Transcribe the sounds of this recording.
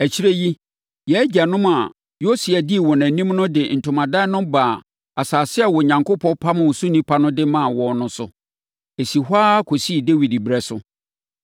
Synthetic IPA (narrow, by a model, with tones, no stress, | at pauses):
æ˨t͡ɕʰi˦ɾæ˦ji˦ | jɛ˨˦d͡ʑa˨nʊ̃˦ma˨ | jo˦si˨æ˨di˦˨wɔ˨nã˨nĩ˦mnʊ̃˦dɪ˨n̩˨tʰʊ̃˨mã˨da˦nʊ̃˦mba˨ | a˨saː˨sɪ˦ɛ˦˨wɔ˨ɲã˨ŋko˦pʰɔ̃˦pʰa˦mʊ̃˨wʊ˨su˦nĩ˦pʰa˦nʊ̃˦dɪ˦mã˦˨wɔ̃˨nʊ̃˦sʊ̰˨ | e˨si˨ɦʷaː˦kʰo˨si˦˨de˦wi˨dbɾɛ˦sʊ˨